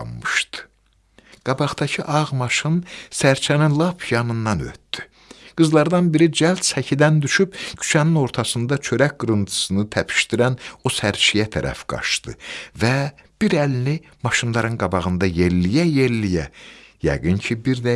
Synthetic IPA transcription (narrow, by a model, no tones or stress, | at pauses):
mɯʃt̪ɯ̥ | ɡ̥ɑbɑʁd̪ɑcʰiʔɑʁmɑʃɯnsæɾt͡ʃʰæninlˠɑpʰjɑnɯnːɑnø̰t̪ːd̪y̥ | ɡ̥ɯzlˠɑɾd̪ɑnbiɾid͡ʒælt̪sæcʰid̪ænd̪yʃybcʰy̥t͡ʃʰænino̞ɾt̪ʰɑsɯnd̪ɑt͡ʃʰø̞ɾæcɡɯɾɯnt̪ʰɯ̥sɯnɯt̪ʰæpʰi̥ʃt̪iɾænosæɾt͡ʃʰijæt̪ʰæ̰ɾʔæ̰fɡ̥ɑ̰ʃd̪ɯ̰væb̥iɾælini | mɑʃɯnlˠɑɾɯnɡɑbɑʁɯnd̪ɑjeɾlijæjeɾlijæjæ̰ɡɯncʰibiɾd̪æ